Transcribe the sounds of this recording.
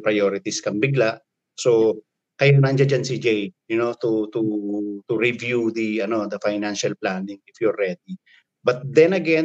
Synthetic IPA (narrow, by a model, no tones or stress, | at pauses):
pɾɐjoɾɪt̪iskɐŋbɪɡlaʔ | so | kɐjanɐnd͡ʒad͡ʒansid͡ʒɛjjʊnot̪ut̪ut̪uɹivjud̪iɐno̞d̪ɐfajnanʃɐlplanɪ̃ŋɪfjuɹːɛd̪i | bɐt̪̚d̪ɛnɐɡɛn